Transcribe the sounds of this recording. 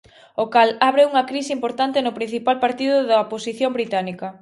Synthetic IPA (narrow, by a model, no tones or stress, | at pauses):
okalaβɾeuŋɐkɾisimpoɾt̪ant̪enʊpɾin̟θipalpaɾt̪iðʊðɐoposiθjombɾit̪anikɐ